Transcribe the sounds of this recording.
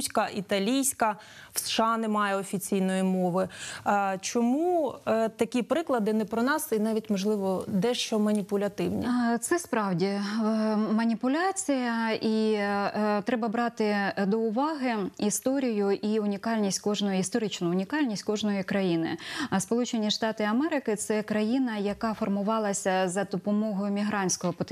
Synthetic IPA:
sʲkɐit̪ɐlʲijsʲkɐ | w̥sʃɑnɛmɑjɛɔfʲit͡sʲijnɔjimɔʋɪ | t͡ʃɔmut̪ɐkʲipɾɪklˠɐd̪ɪnɛpɾɔnɑsinɑʋʲitʲmɔʒlˠɪʋɔd̪ɛʃt͡ʃɔmɐnʲipʊlʲɐt̪ɪwnʲɛt̪sɛspɾɑwdʲi | mɐnʲipʊlʲɑt͡sʲijɐʔi | t̪ɾɛbɐbɾɑt̪ɪd̪ɔʊʋɑɦɪist̪ɔɾʲijʊʔiʊnʲikɑlʲnʲisʲtʲkɔʒnɔjʊist̪ɔɾɪt͡ʃnʊʊnʲikɑlʲnʲisʲtʲkɔʒnɔjikɾɐjinɪ̰spɔlˠut͡ʃenʲiʂt̪ɑt̪ɪɐmɛɾɪkɪt̪sɛkɾɐjinɐjɐkɑfɔrmʊʋɑlˠɐsʲɐzɐd̪ɔpɔmɔɦɔjʊmʲiɦɾɑnʲsʲkɔɦɔpɔt̪

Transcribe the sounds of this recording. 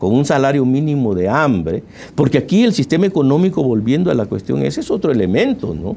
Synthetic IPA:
ko̞ŋunsalaɾjo̞mĩnimo̞ðe̞ambɾe | po̞ɾkeakie̞lsist̪e̞maeko̞no̞miko̞βolβje̞nd̪oalakwe̞st̪jo̞ŋḛseso̞t̪ɾoe̞lemẽ̞nt̪o̞̰no̰

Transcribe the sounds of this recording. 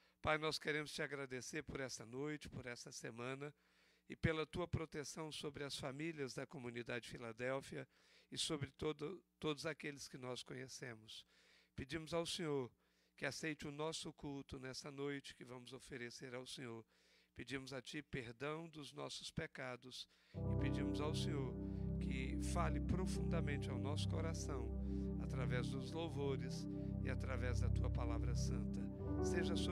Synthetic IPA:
pajnɔskeɾẽmʊst͡ʃɪaɡɾad̪eseɾpʊɾɛst̪ɐnojt͡ʃɪ̥pʊɾɛsɐsemɐ̃nɐ | ɪpelɐt̪uɐpɾot̪esɐ̃w̃sobɾɪɐsfamiliɐzd̪ɐkomũnid̪ad͡ʒɪfilad̪ɛwfiɐ | ɪsobɾɪt̪od̪ɐt̪od̪ʊzakelɪskɪnɔskõɲesẽmʊspɪd͡ʒĩmʊzawsẽɲoɾ | kɪasejt͡ʃɪʊnɔsʊkult̪ʊnɛsɐnojt͡ʃɪ̥kɪvɐ̃mʊzofeɾeseɾawsẽɲoɾ | ped͡ʒĩmʊzat͡ʃɪpeɾd̪ɐ̃w̃d̪ʊznɔ̰sʊ̥spekad̪ʊs | ɪped͡ʒĩmʊzawsẽɲoɾkɪfalɪpɾofũnd̪ɐmẽnt͡ʃɪawnɔsʊ̥koɾasɐ̃w̃at̪ɾavɛzd̪ʊzlowvoɾɪs | ɪat̪ɾavɛzd̪ɐt̪uɐpalavɾɐsɐ̃nt̪ɐ | seʒɐs

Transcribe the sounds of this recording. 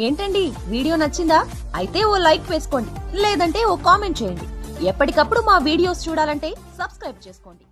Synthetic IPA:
e̞ːɳʈɐɳɖiʋiːɽijo̞ːnɐt͡ʃːind̪aː | ɐjit̪e̞ːoːlɐjkʋeːsu̥ko̞ːɳɖileːd̪ɐɳʈe̞ːoːkaːme̞ɳʈ̚t͡ʃeːjɐɳɖiɛpːɐʈikɐpːuɽumaːʋiːɽijo̞ːst͡ʃuːɽaːlɐɳʈe̞ːsɐbskɾɐjb̚t͡ʃeːsu̥koːɳɖi

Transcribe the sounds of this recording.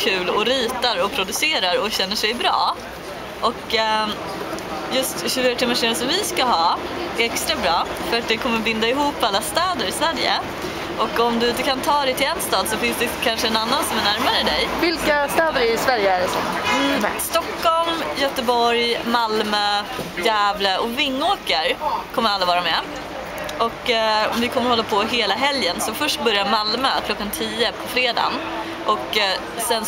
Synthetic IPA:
kʰʉ̟ːlɔɾiːt̪aɾɔpʰɾʊd̪ɵseːɾaɾɔɕɛnːəʂɛjbɾɑ̰ː | ʔɔk | jɵst̪ɕʉ̟fyːɾat̪ʰɪmːaʂeːnsɔmvɪskaɦɑːæɾɛkst̪ɾabɾɑːfœɾat̪̚d̪ɛkʰɔmːəbɪnd̪aɪɦuːpːalːast̪ɛːd̪əɾɪsvæːɾjə̰ | ʔɔkːɔmd̪ɵɪnt̪əkʰant̪ʰɑːd̪ɛjt̪ɪlɛnst̪ɑːd̪sɔfɪnsd̪ɛkʰanʂəɛnanːansɔmæɳæɾmaɾəd̪ɛjvɪlkast̪œːd̪əɾɪsvæɾjəæɖɛsɔ̰m | st̪ɔkːɔlmjœt̪əbɔɾjmalmøːjæːvləʔɔvɪŋːoːkəɾkʰɔmːəɾalːavɑːɾamɛ | ʔɔkːɔmvɪkʰɔmːəɾhɔlːapʰɔɦeːlaɦɛljənsɔfœʂʈ̚bœɾjamalmø̰ːkʰlɔkːant̪ʰiːəpʰɔfɾeːd̪a̰ːn | ʔɔkː | sɛn

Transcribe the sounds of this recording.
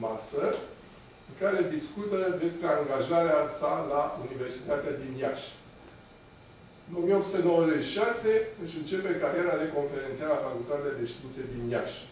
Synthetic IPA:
masə | ɨkaɾe̞d̪iskut̪əd̪e̞spɾe̞aŋɡaʒaɾeasalaunive̞rsi̥t̪at̪ead̪injaʃ | ɨno̞mieo̞psu̥t̪əno̞wəze̞t͡ʃi̥ʃase̞ɨʃɨnt͡ʃe̞pekaɾjeɾad̪eko̞nfe̞ɾent̪sialafakult̪at̪ead̪e̞ʃt̪iint̪sed̪inja̰ʃ

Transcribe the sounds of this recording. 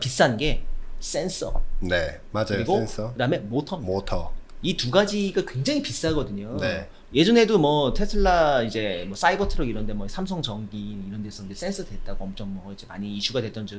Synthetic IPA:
pis͈anɡe̞s͈e̞ns͈ʌ̰ne | mad͡ʑaɯjɾiɡonsʌkɯdame̞motʰʌotʰʌituɡad͡ʑiɡakwe̞ŋd͡ʑaŋipis͈ɦaɡʌdɯɲone | je̞d͡ʑʌne̞domʌtʰe̞sʰɯɭːaid͡ʑe̞mwʌs͈aibʌtʰɯɾʌɡiɾʌnde̞mwʌsʰamsʰʌŋt͡ɕʌŋɡiniɾʌnde̞s͈ʰʌnnd͡ʑes͈e̞ns͈ʰɯdwe̞t̚t͈aɡoʌmt͡ɕ͈ʌŋmʌid͡ʑe̞ma̰ɲiːɕʰuɡadwe̞t͈ʌnd͡ʑʌ

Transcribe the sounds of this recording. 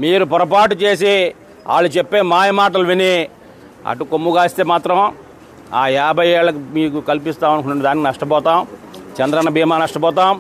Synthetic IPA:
miːɾupɔɾɐpaːʈut͡ʃe̞ːs̬i | a̰ːɭːut͡ʃepːeːmaːjɐmaːʈ̬ɐluʋini | ɐ̰ʈukomːuɡaːst̪eːmaːt̪ɾɐm | aːjaːbʱɐjɛːɭːɐk̬imiːkukɐlipist̪aːmɐnkuɳɐɖid̪aːnikinɐʂʈɐpɔːt̪aːmt͡ʃɐnd̪ɾɐnɐbʱiːmaːnɐʂʈɐpɔːt̪̬aːm

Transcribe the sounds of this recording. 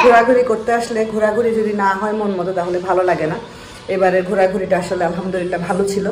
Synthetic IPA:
ɡʱoɾaɡʱuɾikoɾt̪eaʃleɡʱuɾaɡʱuɾid͡ʑod̪inaɦɔemonmɔt̪ot̪aɦolebʱalolaɡena | ebaɾeɾɡʱuɾaɡʱuɾiʈaaʃolealɦamd̪olilːabʱalot͡ɕʰilo

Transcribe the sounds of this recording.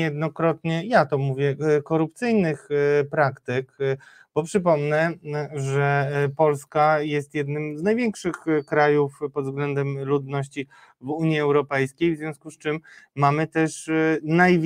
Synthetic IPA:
jɛd̪nɔkɾɔt̪ɲɛjat̪ɔmuvʲjɛkɔɾupt̪sɘjnɘxpɾakt̪ɘk | b̥ɔpʂɘp̬ɔmnɛʐɛpɔlskajɛst̪jɛd̪nɘmznajvʲjɛŋkʂɘxkɾajufpɔd̪zɡlɛnd̪ɛmlud̪nɔɕt͡ɕi | vuɲjiɛwɾɔpɛjskʲejvzvʲjɔ̃skust͡ʂɘmːamɘt̪ɛʂnajvʲ

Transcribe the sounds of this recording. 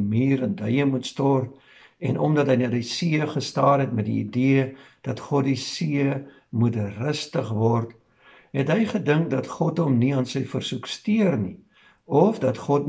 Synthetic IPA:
miːɾəndəjəmutstɔr | ɛnɔ̰mdɐtɦəjnɑdisiəχəstɑːrɦɛtmɛdḭːdiəd̥ɐtχɔtdisiə | mutrəstəχvɔrt | ɦɛtɦəjχədəŋkdɐtχɔtɦɔmniɑːnsəjfərsukstiərni | ɔfdɐtχɔt̚

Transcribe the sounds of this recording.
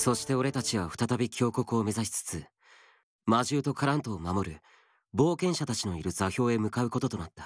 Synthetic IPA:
so̞ɕi̥t̪e̞o̞ɾe̞t̪at͡ɕiβaɸɯ̟̥t̪at̪abʲikʲo̞ːko̞kɯ̟ome̞zaɕi̥t͡sɨ̥t͡sɨ | maʑɨːt̪o̞kʰaɾãnt̪o̞ːmamo̞ɾɯ̟ | bo̞ːkẽ̞ɰ̃ɕat̪at͡ɕino̞iɾɯ̟zaçʲo̞ːe̞mɯ̟kaɯ̟ko̞t̪o̞t̪o̞nat̪ːḁ

